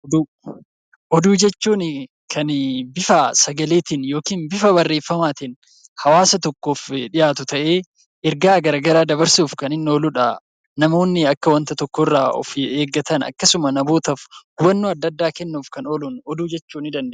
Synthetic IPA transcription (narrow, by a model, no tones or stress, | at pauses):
d̪ | ʔɔd̪uːd͡ʒɛt͡ʃːuːn | kʰɐnbɪfɐsɐɡɐle̞ːt̪ɪnjo̞ːkiːnbɪfɐbɐrːeːfːɐmaːt̪ɪn | hɐwaːsɐt̪ɔkːo̞ːfᶑɪjaːt̪ʊt̪ɐʔe̞ː | ʔɪɾɡaːɡɐɾaːɡɐɾaːd̪ɐβɐɾsuːfkɐnɪnːoːlʊᶑɐ | nɐmo̞ːnːɪɐkːɐwɐnt̪ɐt̪ɔkːɔrːaːɔ̰feːɡːɐt̪ɐnɐ̰kːɐsʊmɐnɐboːt̪ɐfɡʊbɐnːoːɐd̪ːɐd̪ːaːkɛnːuːfkɐnolunɔd̪uːd͡ʒɛt͡ʃːuːnɪd̪ɐnd̪e